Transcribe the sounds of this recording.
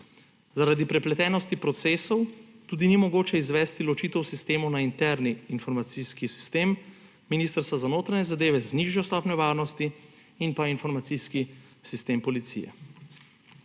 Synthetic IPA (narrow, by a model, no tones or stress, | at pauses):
zaɾad̪ipɾɛplɛt̪ɛːnɔst̪ipɾɔt̪seːsɔwt̪uːd̪inimɔɡoːt͡ʃɛizʋɛːst̪ilɔt͡ʃiːt̪ɛwsist̪eːmunaint̪ɛɾniːnfɔɾmat̪siskisi̥st̪eːmː | inist̪əɾst̪ʋazanoːt̪ɾaɲɛzad̪eːʋɛzniːʒjɔst̪ɔːpnɔʋaːɾnɔst̪iː | npainfɔɾmat̪siski | sist̪eːmpɔlit̪sḭjɛ̰